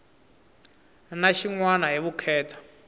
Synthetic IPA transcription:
naʃiŋwanaɦiβukʰɛːtʰḁ

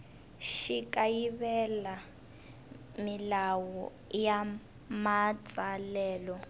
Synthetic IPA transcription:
ʃikʼajiβɛla | milawɔ | ja | mat͡sʼalɛːlɔ

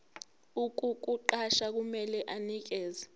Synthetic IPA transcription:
uk̬ʼuk̬ʼuǃaʃak̬umɛlɛʔanik̬ɛːzɛ

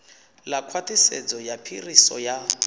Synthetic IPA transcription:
lakʰwatʰʼisḛd͡zɔjapʰirisɔ̰ja

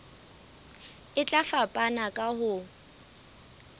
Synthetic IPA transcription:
ɪt͡ɬʼafapʼanakʼahʊ

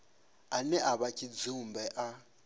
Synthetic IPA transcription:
anɛʔaβakʰid͡zumbɛʔa

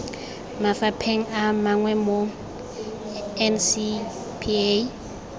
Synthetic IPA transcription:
mafapʰeŋ̩amaŋwɛmo | ɛnsi | pʰie

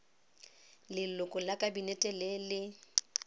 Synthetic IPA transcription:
lɪlʊkʼʊlakʼabinɛtʼɛlelɪ

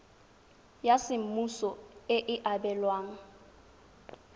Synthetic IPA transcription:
jasɪm̩musɔɪʔɪʔabɛlwaːŋ̩

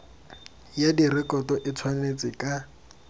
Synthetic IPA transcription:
jadirɪkɔtɔʔɪt͡sʰwanet͡sʼɪkʼa

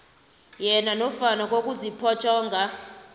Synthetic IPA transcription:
jɛnanɔfanak̬ʼok̬ʼuzipʰɔt͡ʃʰʼɔːŋɡʱa

